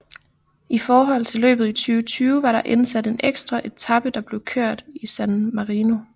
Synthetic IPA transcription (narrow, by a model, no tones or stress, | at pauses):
ʔifɒːɦɒ̽l̰t͡sʰe̝lø̰ːb̥ð̞̩ˠit͡sʰyːʊət͡sʰyːʊəʋɑ̈ɾɑ̈ʔensæd̥e̝neɡ̥sd̥ʁɑʔe̝̥t͡sʰɑ̈b̥əd̥ɑ̈b̥le̝ʊkʰøɐ̰d̥isænmɑ̈ʁiːno̝